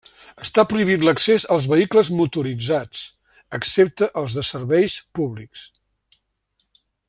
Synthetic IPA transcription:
əst̪apɾuiβ̞it̪ləksezəlˠzβəikləzmut̪uɾid͡zat͡s | əksep̚t̪əʔəlˠzðəsərβɛjspuβliks

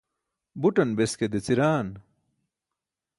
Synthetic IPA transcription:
buʈɐnbesked̪et͡siɾaːn

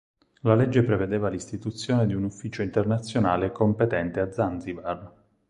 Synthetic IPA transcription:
laled͡ʒːepɾeved̪eːvalist̪it̪ut̪sːjoːned̪iunufːiːt͡ʃoint̪ernat̪sːjonaːlekompet̪ɛnt̪ead̪zanzivar

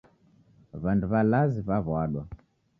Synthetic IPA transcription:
βanduβalaziβaβaɗwa

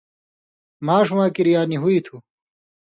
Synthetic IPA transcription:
maːʂuwãːkiɾijaːniɦuit̪ʰu

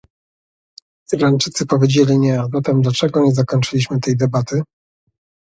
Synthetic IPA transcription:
iɾɾant͡ʂɘt̪sɘpɔvʲjed͡ʑelʲiɲɛazat̪ɛmd̪lat͡ʂɛɡɔɲɛzakɔɲʲt͡ʂɘlʲiɕmɘt̪ɛjd̪ɛbat̪ɘ

